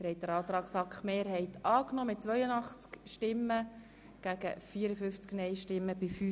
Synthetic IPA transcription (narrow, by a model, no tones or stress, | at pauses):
əɾhɛɪt̚d̥əɾɑːt̪ɾɑːksɑkχmeːɾɦɛɪtʰɑːknɔmɪt̚t͡sʋœʏənɑχt͡skʃtɪmːə | ɡ̥æɡ̥ə̰fiːəɾəfʏft͡sknɛjʃtɪmːəbɪfy